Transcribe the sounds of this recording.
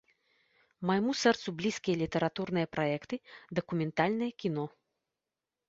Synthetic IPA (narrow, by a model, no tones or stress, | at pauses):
majmusɛrt̪sublʲiskʲijɐlʲit̪ɛɾat̪urnɨjɐpɾajɛkt̪ɨd̪ɐkumʲɛnt̪alʲnɨjɐkʲinɔ